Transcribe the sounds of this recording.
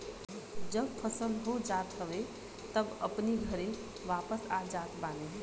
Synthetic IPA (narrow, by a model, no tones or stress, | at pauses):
d͡ʒəb̚pʰəsəld̪ɦod͡ʒaːt̪ɦəʋe | t̪əbə̰pniɡʱəɾẽ | ʋaːpəsad͡ʒaːt̪bãːne